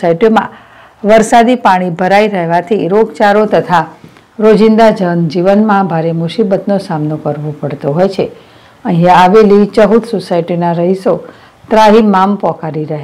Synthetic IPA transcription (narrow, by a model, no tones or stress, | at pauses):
aiʈjomã̰ | ʋəɾsad̪ipaɽ̃ibʱəɾaiɾəɦʋat̪ʰiɾoɡt͡ʃaɾot̪ət̪ʰa | ɾod͡ʒɪnd̪ad͡ʒənd͡ʒiʋənmãbʱaɾemʊʃibət̪nosamnokəɾʋõpəɽt̪oɦojt͡ʃʰe | ə̃ɦĩjãaʋelit͡ʃəɦut̪sosaiʈinaɾəɦiso | t̪ɾaɦimampɔ̃kaɾiɾəɦe